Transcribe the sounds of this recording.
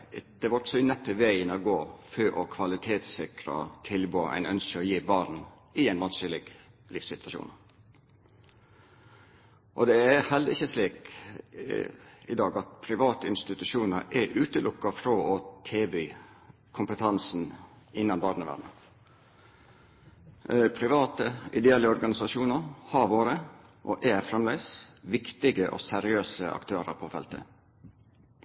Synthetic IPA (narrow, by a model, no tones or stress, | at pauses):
d̪̥ɛʋɑʈ̪sɔɪnɛpːəʋæɪənɔɡoːføːʔɔkʰʋɑlɪt̪ʰeːt̪sɪkɾɑ̰t̪ʰɪlboːʔæ̰ɪnœ̰nskəɔjiːbɑɾn | ɪæɪnʋɑnsəlɪɡ | lɪfsɪt̪ʋɑʃṵːn | ʔɔd̪ɛæhɛld̪əɾɪçːəsliːk | ɪd̪ɑːɡɑt̪̚pʰɾɪʋɑːt̪əɪnst̪ɪt̪ʉʃuːnəɾʔɛʔʉːt̪əlʔʊkːɑfɾɔɔt̪ʰeːbyː | kʰʊmpət̪ʰɑnsn̩ | ɪnːɑnbɑːɾɖ̪əʋæ̰d̪ə | pʰɾɪʋɑːt̪əɪd̪ɛɛləɔɾɡɑnɪsɑʃuːnəɾhɑɾʋoːɾə | ʔoʔæfɾɛmlæɪsʋɪkt̪ɪɡəʔɔ̰sæɾɪøːsəʔɑ̰kt̪ʰøːɾə̰ɾpʰɔfɛ̰lt̪ə̰